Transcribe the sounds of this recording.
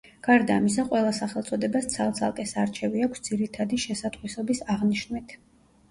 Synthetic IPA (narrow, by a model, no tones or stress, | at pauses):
ɡ̥aɾd̪aːmisaqʼwɛlˠasaχɛlˠt̪sʼɔd̪ɛbast̪sʰalˠt̪sʰa̰lˠkʼɛsaɾt͡ʃʰɛviakʷʰsd̪ziɾit̪ʰad̪iʃɛsat̪ʼχwisɔbisaʁniʃnmit̪ʰ